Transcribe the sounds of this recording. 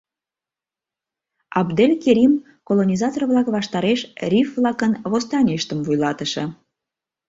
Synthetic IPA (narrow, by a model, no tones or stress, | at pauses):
ɑbd̪elʲkeɾʲim | kolonʲizɑt̪orβlɑkβɑʃt̪ɑɾeʃrʲifvlɑkənβost̪ɑnʲiʃt̪əmvujlɑt̪əʃɤ̰̆